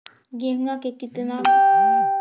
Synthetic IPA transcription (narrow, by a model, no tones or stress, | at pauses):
ɡemnakekit̪na